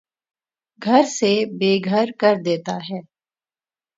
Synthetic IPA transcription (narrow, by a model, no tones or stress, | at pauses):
ɡʱɐɾsebeːɡʱəɾkɐɾd̪eːt̪aɦɛː